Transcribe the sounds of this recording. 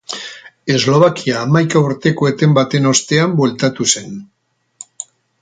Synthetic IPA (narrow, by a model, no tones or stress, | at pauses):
e̞zlo̞βakiaːmajkauɾt̪e̞ko̞et̪e̞mbat̪e̞no̞st̪e̞ambwe̞lt̪at̪use̞n